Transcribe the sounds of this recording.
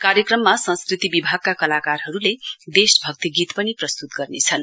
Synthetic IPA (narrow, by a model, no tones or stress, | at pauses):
kaɾjʌkrʌmːasʌ̃nskrit̪ibibʱaɡ̚kakʌlakarɦʌɾuled̪esbʱʌk̚t̪iɡit̪pʌniprʌst̪ut̪̚ɡʌrnet͡sʰʌn